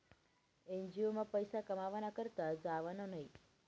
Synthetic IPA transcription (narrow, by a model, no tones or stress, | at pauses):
ɛnd͡ʒiomãpəjsakəmaʋanakəɾt̪ad͡ʒaʋanonəɦĩ